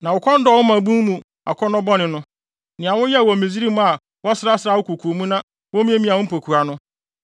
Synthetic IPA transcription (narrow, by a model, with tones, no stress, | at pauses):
nã˨ʊ˨kʰɔ˦n̩˦dɔ˨wɔ˦mã˨bũ˦mũ˨ | a̰˨kʰɔ˦nɔ̃˦bɔ˦nɪ̃˨nʊ̃˦ | nɪ̃˨ã˨wʊ̃˦jɛ˦˨wɔ˨mĩ˨zi˦ɾi˦m˦a˨ | wɔ˦sɪ˦ɾa˦sɪ˨ɾa˦˨wʊ˦kʰu˨kʰu˨o˨mũ˦nã˦ | wɔ˦mĩ˦e˦mĩ˦ã˨wʊ̃˦m˦pʰo˨kʰu˨a˨nʊ̃˦